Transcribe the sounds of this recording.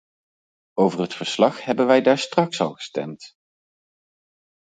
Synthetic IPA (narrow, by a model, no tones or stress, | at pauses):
owvərɦətfəɹslɑχhɛbənʋɛjdaːɹstrɑksɑ̰lˠχə̥stɛ̰mt